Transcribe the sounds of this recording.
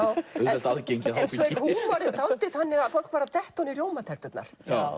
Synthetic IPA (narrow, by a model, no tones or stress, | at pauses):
awʏɛɛlt̪aðcejɲcɪaɛnsɔɛ̥humaɾɪt̪aw̪t̪ɪθanːɪɣaðfowl̥kvaːɾat̪ɛht̪ɔniɾjoːwmat̪ʰɛɾ̥t̪ʏt̪na̰ɾ̥a